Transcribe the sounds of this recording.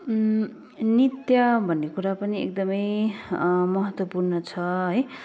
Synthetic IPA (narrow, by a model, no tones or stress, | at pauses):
nit̪jʌbʱʌnːekuɾapʌniḛk̚d̪ʌmʌj | mʌɦʌt̪wʌpurnʌt͡sʰʌɦʌj